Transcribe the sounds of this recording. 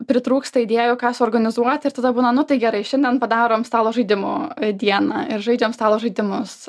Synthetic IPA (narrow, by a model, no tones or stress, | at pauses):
pʲɾʲɪt̪ɾuːkst̪ɐɪd̪ʲeːjʊkɑːsʊoːrɡɐnʲɪzuɔt̪ʲɪɾt̪ɐd̪ɐbuːnɐnʊt̪ɐɪɡʲɛɾɐɪʃʲɛnʲdʲɛnpɐd̪ɑːɾoːmst̪ɑːlˠoːʒɐɪd̪ʲɪmo̰ːd̪ʲiɛnɑːɪɾʒɐɪd͡ʒʲoːmst̪ɑːlˠoːʒɐɪd̪ʲɪmʊs